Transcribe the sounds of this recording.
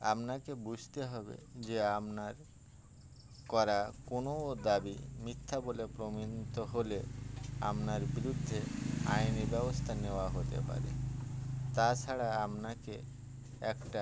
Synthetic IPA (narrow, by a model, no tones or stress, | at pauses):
a̰mnakebud͡ʑʱt̪eɦɔbḛd͡ʑeamnaɾ | kɔɾakonood̪abimit̪ʰːabolepɾominit̪oɦolea̰mnaɾbiɾud̪ʱːeajnibɛbost̪ʰaneoaɦot̪ḛpa̰ɾḛ | t̪at͡ɕʰaɽaamnake | ɛkʈa